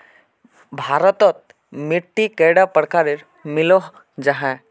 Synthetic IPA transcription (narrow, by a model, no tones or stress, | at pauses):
bʱaːɾət̪ɔt̪̚ | mɪʈːikeɽapəɽkaɾiɾ | mɪloɦ | d͡ʒaɦɛ̃